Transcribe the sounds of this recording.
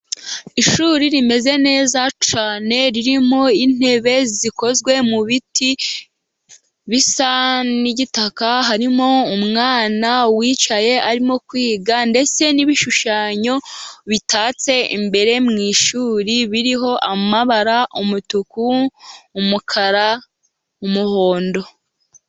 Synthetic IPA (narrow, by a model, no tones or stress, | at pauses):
iʃuːɾiɾime̞ze̞ne̞ːzat͡ʃaːne̞ɾiɾimo̞in̥e̞βe̞ziko̞zɡwe̞muβiti | βisaniɟitakaɦaɾimo̞umŋaːnawiːt͡ʃaje̞aɾimo̞kwiːɡande̞t͡se̞niβiʃuʃaːɲo̞βitaːt͡se̞ḭmbe̞ɾe̞mŋiːʃuːɾiβiɾiɦo̞ʔamaβaɾaʔumutukuː | mukʰaɾa | umuho̞ːndo̞